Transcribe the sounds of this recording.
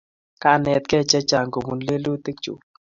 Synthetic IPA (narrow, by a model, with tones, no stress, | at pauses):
ka˦˨nɛ˨t̪̚kɛ˦˨t͡ʃɛ˦t͡ʃa˨ŋɡo˨mu˨nle˦lo˦t̪e˦k̚t͡ʃṵ˨